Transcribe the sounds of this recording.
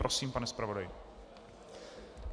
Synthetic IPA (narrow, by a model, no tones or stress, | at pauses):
ɾosiːmpanɛspɾavo̞dajɪ